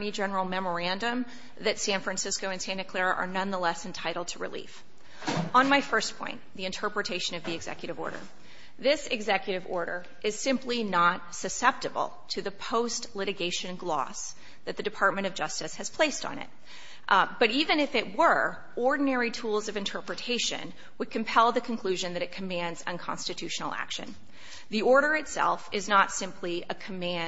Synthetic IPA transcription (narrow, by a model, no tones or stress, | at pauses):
nid͡ʒɛnə˞l̩ˠmɛmə˞æ̃ndɨ̃m | ðɨtsæ̃nfɹæ̃nsɪskoʊɨ̃nsæ̃nːɨkʰl̥ɛɹɨʔə̰˞nʌ̃nðəlɛsɨ̃ntʰaɪɾl̩ˠd̚tʰəɹɨ̰lḭf | ə̃nmaɪfɜ˞spʰɔ̰̃ɪ̃nðiɨ̃ntʰɜ˞pɹɨtʰeɪʃɨ̃nʌvðiɨɡzɛ̰kjɨɾɨvɔ̰ɹɾə̰˞ | ðɪsɨɡzɛkjɨɾɨvɔ̰ɹɾə̰˞ | ʔɨz̥sɪ̃mplinət̚sɨsɛp̚tɨbl̩ˠtʰɨðɨpʰoʊstlɪɾɨɡeɪʃɨ̃nɡlɔ̰s | ðɨt̪̚ðɨdɨpʰɑɹt̚mɨ̃ɾ̃ʌvd͡ʒʌstɨshɨz̥pʰl̥eɪstn̩ɪ̰t̚ | b̥ʌɾivɨ̃nɨfɨt̚wə˞ | ɔɹdⁿn̩ɛɹitʰulˠzʌvɨ̃ntʰɜ˞pɹɨtʰeɪʃɨ̰̃n | wəd̚kʰɨ̃m̩pʰɛlˠðɨkʰɨ̃n̩kʰl̥ʉʒɨ̃nðɨɾɨt̚kʰɨmæ̃ndzɨ̰̃nkʰɑ̰̃nstɨtʰʉʃn̩l̩ˠæ̰kʃɨ̰̃n | ðiɔɹɾə˞ɨtsɛ̰lˠfɪznətsɪ̃mpʰliɨkʰɨmæ̃